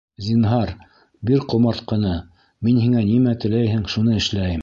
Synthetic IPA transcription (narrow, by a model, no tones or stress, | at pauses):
zʲinɦɑɾ | biɾqŏmɑɾt̪qɤ̆nɑ | minhiŋænimæt̪ɘ̆læjhɘŋʃunɤɘ̆ʃlæjɘm